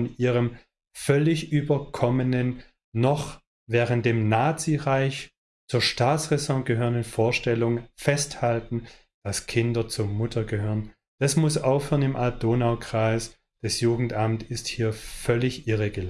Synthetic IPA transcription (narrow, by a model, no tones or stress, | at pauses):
nʔiːʁəm | fœlɪçʔyːbɐkʰɔmənənː | ɔχ | vɛːʁənt̚d̥eːmnaːt͡siʁaɪç | t͡suːɐʃtaːt͡sʁɛsɔ̃tɡ̥əɦøːʁənənfoːɐʃtɛlʊŋfɛsthaltn̩ | d̥askʰɪndɐt͡suɐmʊtʰɐɡəɦøːʁən | d̥asmʊsʔaʊfhøːʁə̃nɪmʔal̚d̥oːnaʊkʁ̥aɪs | d̥asjuːɡŋ̩tʔamtɪsthiːɐfœlɪçʔɪʁəɡəl